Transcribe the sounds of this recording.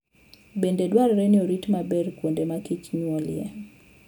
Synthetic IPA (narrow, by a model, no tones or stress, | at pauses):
bendedwaɾɾɛnɪoɾitmabɛrkwondemakit͡ʃɲwɔljɛ̰